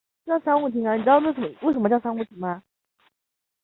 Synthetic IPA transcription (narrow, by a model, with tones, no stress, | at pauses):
t͡ɕjɑ˥˩ʊʂa˥wu˥˩t̪ʰi˧˥ŋa˧ni˨˩ʈ͡ʂwʂə˥m˧we˥˩ʂə˧˥mə˧t͡ɕɑ˥˧ʊʂa˥nu˥˩t̪ʰi˧˥ŋma˧